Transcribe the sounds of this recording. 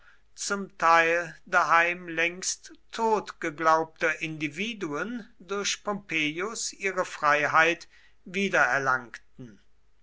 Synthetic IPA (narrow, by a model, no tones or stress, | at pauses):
t͡sʊmtʰaɪldaɦaɪmlɛŋsttʰːoːtɡ̥əɡlaʊp̚tɐʔɪndiviːduəndʊɐɕpʰɔmpʰeːjʊsʔiːʁəfʁ̥aɪɦaɪt | viːdɐɛɐlaŋktn̩